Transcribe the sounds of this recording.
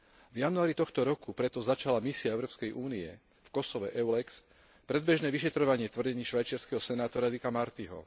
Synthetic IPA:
vjanuaːɾit̪ɔxt̪ɔɾɔkupɾɛt̪ɔzat͡ʃalamisiaɛʊɾɔːpskɛjʔuːniɛ̰ | fkɔsɔʋɛʔɛwlɛks | pɾɛd̪̚bɛʒnɛːʋiʃɛt̪ɾɔʋaɲɪɛt̪ʋr̩ɟɛɲiːʃʋajt͡ʃɪaɾskɛɦɔsɛnaːt̪ɔɾad̪ikamaɾt̪iɦɔ̰

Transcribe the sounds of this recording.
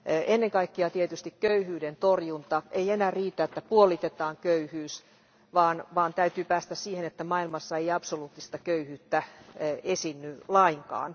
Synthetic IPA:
ʔenːeŋkɑikːiɑt̪iet̪yst̪ikkøyhyːdent̪orjunt̪ɑeienæːriːt̪æet̪ːæpuolit̪et̪ɑːŋkøyhyːs | ʋɑːnʋɑːnt̪æyt̪yːpæːst̪æssiːhenet̪ːæmɑilmɑsːɑeiɑpsoluːt̪ːist̪ɑkøyhyːt̪ːæesinːylɑiŋkɑ̰ːn

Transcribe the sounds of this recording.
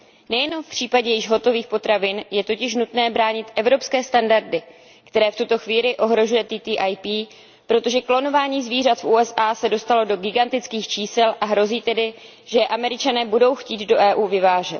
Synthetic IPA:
nɛjɛno̞mfpr̥iːpaɟɛjɪʒɦo̞t̪o̞viːxpo̞t̪ɾavɪnjɛt̪o̞cɪʃnut̪nɛːbɾaːɲɪt̪ʔɛvɾo̞pskɛːst̪andaɾdɪ | kt̪ɛɾɛːft̪ut̪o̞xviːlɪʔo̞ɦɾo̞ʒujɛt̪it̪iːʔajpiː | pɾo̞t̪o̞ʒɛklo̞no̞vaːɲiːzviːr̝at̪fʔuːɛsʔaːsɛdo̞st̪alo̞do̞ɡɪɡant̪ɪt͡skiːxt͡ʃiːsɛlʔaɦɾo̞ziːt̪ɛdɪ | ʒɛʔamɛɾɪt͡ʃanɛːbudo̞wxciːd̪do̞ʔɛːʔuːvɪvaːʒɛt̪̚

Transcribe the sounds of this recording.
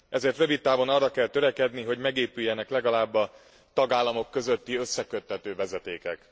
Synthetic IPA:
ɛzeːrt̪røvit̪ːaːvo̞nɒrːɒkɛlt̪ø̞ɾɛkɛd̪niɦo̞ɟmɛɡeːpyjːɛnɛklɛɡɒlaːbːɒ | t̪ɒɡaːlːɒmo̞kːø̞zø̞t̪ːiøsːɛkøt̪ːɛt̪øːvɛzɛt̪eːkɛ̰k

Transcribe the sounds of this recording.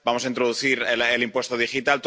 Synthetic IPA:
bamosaint̪ɾoðuθiɾelelimpwe̞st̪oð̞ixit̪alt̪

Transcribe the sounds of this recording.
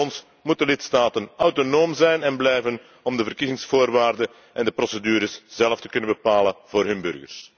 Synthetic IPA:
ɔns | mut̚dəlɪtstaːtənœwtonoːmzɛjnɛnblɛjvən | ɔmdəvərkizɪŋsfoːrʋaːrdə | ɛndəprɔsedyːɾəsz̥ɛlˠəftə̥kɵnənbəpaːlənvoːrɦɵnbɵ̰rɣə̰rs

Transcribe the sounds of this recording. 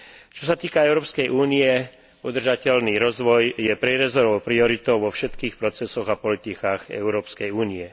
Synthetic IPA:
t͡ʃɔsat̪iːkaɛʊɾɔːpskɛjʔuːniɛ | ud̪r̩ʒacɛlniɾɔzʋɔjjɛpɾɛɾɛzɔɾɔʊpɾiɔɾit̪ɔʊʋɔfʃɛt̪kiːxpɾɔt͡sɛsɔɣapɔlit̪ikaːɣɛ̰ʊɾɔːpskɛjuːniɛ

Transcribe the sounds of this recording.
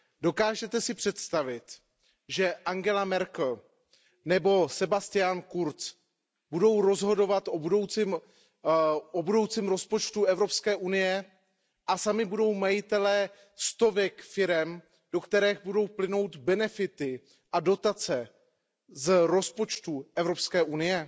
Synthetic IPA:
do̞kaːʒɛt̪ɛsɪpr̝̥ɛt̪st̪avɪt̪ | ʒɛʔaŋɡɛlamɛɾkl̩ | nɛbo̞sɛbast̪ɪjankuɾt͡s | budo̞wɾo̞zɦo̞do̞vat̪ʔobudowt͡sɪm | ʔobudo̞wt͡simɾo̞spo̞t͡ʃt̪uɛvɾo̞pskɛːʔunɪjɛ | ʔasamɪbudo̞wmajɪt̪ɛlɛː | st̪o̞vɛkfɪɾɛm | d̥o̞kt̪ɛɾɛːɣbudo̞wplɪno̞wt̪bɛnɛfɪt̪ɪ | ʔado̞t̪at͡sɛ | zɾo̞spo̞t͡ʃt̪uʔɛvɾo̞pskɛːʔunɪjɛ

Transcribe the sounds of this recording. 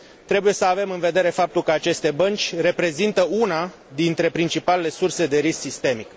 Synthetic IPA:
t̪ɾe̞buje̞səave̞mɨnve̞d̪e̞ɾe̞fap̚t̪ulkəat͡ʃe̞st̪ebənt͡ʃʲre̞pɾe̞zint̪əuna | d̪int̪ɾe̞pɾint͡ʃipale̞le̞surse̞d̪e̞ɾisksist̪e̞mik

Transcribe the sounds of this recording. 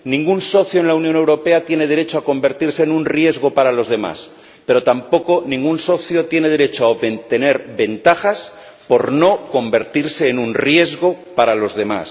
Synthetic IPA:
nĩŋɡunso̞θjoenlaunjõne̞wɾo̞pe̞at̪je̞ne̞ð̞eɾe̞t͡ʃoako̞mbe̞ɾt̪iɾse̞ːnũnrje̞zɣo̞paɾalo̞zð̞e̞ma̰s | pe̞ɾo̞t̪ampo̞ko̞nĩŋɡunso̞θjo̞t̪je̞ne̞ð̞e̞ɾe̞t͡ʃoaβet̪e̞ne̞ɾβe̞nt̪axas | po̞ɾno̞ko̞mbe̞ɾt̪iɾse̞ːnũnrje̞zɣo̞paɾalo̞zðe̞ma̰s

